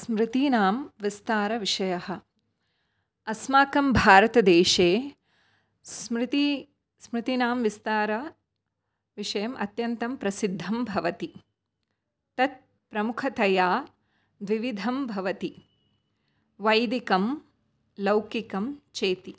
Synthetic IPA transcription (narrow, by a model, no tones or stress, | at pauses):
smɾɪt̪inaːmʋist̪aːɾɐʋiʂɐjɐhɐ̆ | ɐsmaːkɐmbʱaːɾɐt̪ɐd̪eːʃeː | smɾɪt̪i | smɾɪt̪inaːmʋist̪aːɾɐ | ʋiʂɐjɐmʔɐt̪jɐnt̪ɐmpɾɐsid̪ʱːɐmbʱɐʋɐt̪i | t̪ɐt̪̚ | pɾɐmukʰɐt̪ɐjaː | d̪ʋiʋid̪ʱɐmbʱɐʋɐt̪i | ʋɐjd̪ikɐm | lɐwkikɐmt͡ʃeːt̪i